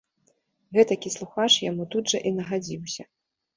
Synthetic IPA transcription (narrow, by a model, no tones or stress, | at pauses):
ɣɛt̪ɐkʲislˠuxat͡ʂjamut̪ud̪ʐɐʔinɐɣad͡zʲiwsʲɐ